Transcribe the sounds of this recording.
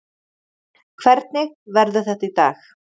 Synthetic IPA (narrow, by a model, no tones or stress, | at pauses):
kʰvɛɾt̪̚nɪɣvɛɾðʏθɛht̪ait̪a̰ːx